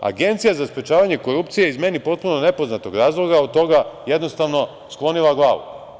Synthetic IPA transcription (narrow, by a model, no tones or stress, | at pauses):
a̰ɡe̞nt̪sijazaspɾet͡ʃaːʋaɲeko̞ɾup̚t̪sije̞izme̞nipo̞t̪̚punone̞po̞znat̪o̞ɡɾaːzlˠo̞ɡaod̪t̪o̞ɡaje̞d̪no̞st̪aʋno̞ | sklˠo̞nilaɡlˠaːʋṵ